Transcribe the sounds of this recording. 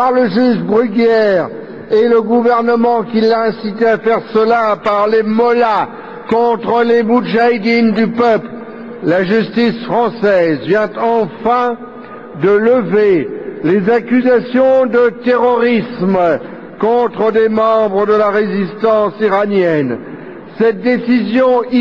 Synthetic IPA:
paʁləʒyʒbʁyɡɛʁ | eləɡuvɛʁnəmɑ̃kʲilːaɛ̃sit̪eafɛʁsəlaːpaʁlemɔla | kɔ̃t̪χəlemuʒajd̪ind̪ypœpl | laʒyst̪isfχɑ̃sɛzvjɛ̃t̪ɑ̃fɛ̃ | d̪ələvelezakʲyzasjɔ̃d̪ət̪eʁɔʁism | kɔ̃t̪χəd̪emɑ̃bʁəd̪əlaʁezist̪ɑ̃siʁanjɛn | sɛt̪̚d̪esizjɔ̃

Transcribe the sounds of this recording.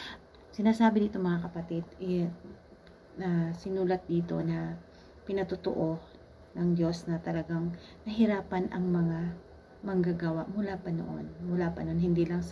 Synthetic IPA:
sɪnaːsaːbɪniːt̪o̞ŋmɐŋakɐpɐt̪ɪd̪ʔɛ | ɐsɪnuːlɐt̪̚d̪iːt̪o̞̰nɐ | pɪnɐt̪ʊt̪o̰ʔo̞ | nɐŋd̪o̞snɐt̪ɐlɐɡaŋnɐɦɪɾaːpɐnɐ̰ŋmɐŋa | mɐŋɡaɡawaʔmʊlaːpɐno̰ʔo̰nmʊlaːpɐnoʔonɦɪnd̪iːlɐŋs

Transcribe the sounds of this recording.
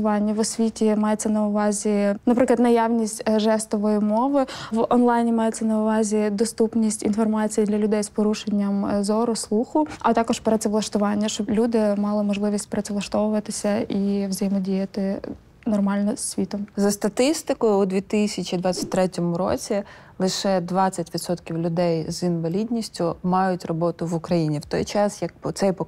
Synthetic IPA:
ʋɑnʲːɐʋɔsʲʋʲitʲimɑjet͡sʲːɐnɐʊʋɑzʲinɐpɾɪklˠɐd̪nɐjɑʋnʲisʲtʲʒɛst̪ɔʋɔjimɔʋɪʋɔnlˠɑjnʲimɑjet͡sʲːɐnɐʊʋɑzʲid̪ɔst̪upnʲisʲtʲinfɔrmɑt͡sʲijid̪lʲɐlʲʊd̪ɛjspɔɾuʃenʲːɐmzɔɾʊslˠuxʊɐt̪ɑkɔʃpɾɛtsɛʋlˠɐʃt̪ʊʋɑnʲːɐʃt͡ʃɔblʲud̪ɪmɑlˠɪmɔʒlˠɪʋʲisʲtʲpɾɐsʲɛʋlˠɐʃt̪ɔʋʊʋɐt̪ɪsʲɐʔiwzɐjmɔdʲijɐt̪ɪ | nɔrmɑlʲnɔssʲʋʲit̪ɔmzɐst̪ɐt̪ɪst̪ɪkɔjʊːd̪ʋʲit̪ɪsʲɐt͡ʃʲid̪ʋɑt͡sʲːɐ̥t̚ʲt̪ɾɛtʲɔmʊɾɔ̰t͡sʲi | lˠɪʃɛd̪ʋɑt͡sʲːɐtʲʋʲid̪sɔt̪kʲiwlʲʊd̪ɛjzinʋɐlʲid̪ʲnʲisʲtʲʊmɑjʊtʲrɔbɔt̪ʊʋʊkɾɐjinʲiwt̪ɔjt͡ʃɑsjɐk̚t̪sɛjp

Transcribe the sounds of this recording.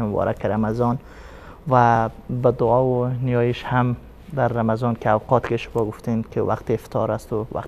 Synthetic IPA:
mʊbɔ̰ɾʔa̰kʰeɾamazɔn | vabad̪ʊɔːwʊnijɒjiʃham | d̪aɾːamazɔnkeawqʰɔt̪keʃʊmɔɡʊft̪enkʰewa̰qt̪eːft̪ʰɔɾast̪ʊwa̰q

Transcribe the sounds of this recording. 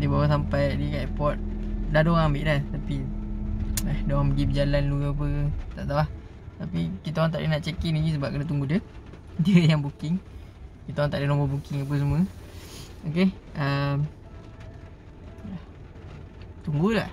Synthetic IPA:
dibawəs̬ampajadikaʔɛpɔt̪̚dahdoɣaŋambɪʔlaht̪api | ahdoɣaŋpəɡibəd͡ʒalanluap̬ət̪a̰ʔt̪awah | t̪apikit̪aoɾaŋt̪aʔdənaʔt͡ʃekinid͡ʒis̬əbap̚kənat̪̬uŋɡudə | diəjaŋbukɪŋ | kit̪aoɣaŋt̪aʔdənõmbəbukɪŋap̬əs̬əmwə̃ | okeəm | la | t̪uŋɡula̰ʔ

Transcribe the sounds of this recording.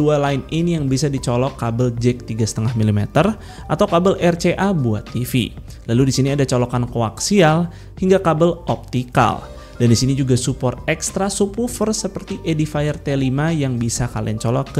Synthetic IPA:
ualaɪninjaŋbisadit͡ʃɔlɔkːabəld͡ʒɛk̚t̪iɡasə̥t̪əŋahmilimɛ̰t̪ər | ʔat̪awkabəlʔɛrt͡ʃeʔabua̰t̪ːifḭ | laludisiniadat͡ʃɔlɔkankoa̰ksial | hiŋɡakabəlɔp̚t̪ika̰l | dandisinid͡ʒuɡasupɔrt̪̚ɛkst̪ɾasupufərsəpərt̪iʔedifajərt̪elimajaŋbisakalḭa̰nt͡ʃɔlɔkː

